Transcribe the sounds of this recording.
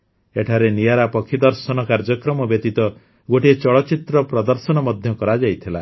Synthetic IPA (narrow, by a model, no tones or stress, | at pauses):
eʈʰaɾenijaɾapɔkʰːid̪ɔɾsɔnɔkaɾd͡ʒɔkɾɔmɔbjet̪it̪ɔ | ɡoʈit͡ʃɔɭɔt͡ʃit̪ɾɔpɾɔd̪ɔɾsɔnɔmɔd̪ʱjɔkɔɾad͡ʒajt̪ʰila